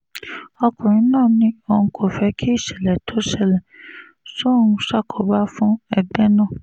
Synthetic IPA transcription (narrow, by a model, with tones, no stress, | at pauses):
ɔ˧kũ˨ɾĩ˨˦nãː˦˨nĩ˨˦õ˧kʰo˨fɛ˧˦kʰi˦i˦˨ʃɛ˨lɛ˨tʰo˨˦ʃɛ˦˨lɛ˨ | sõ˦ũ˧ʃa˦˨kʰɔ˨˦ba˦fũ˦ɛ˨bɛ˦nãː˦˨